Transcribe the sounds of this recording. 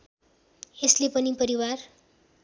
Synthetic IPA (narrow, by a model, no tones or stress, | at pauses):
eslepʌnipʌɾiwar